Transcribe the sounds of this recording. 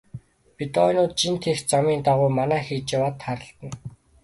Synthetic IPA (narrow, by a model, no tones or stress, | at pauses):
pit̪ɔjnʊːt̪̚t͡ɕint̪ʰext͡samiːnt̪aʁʊːmanæːxiːt͡ɕjawaːt̪χaɾə̆ɬt̪ə̆n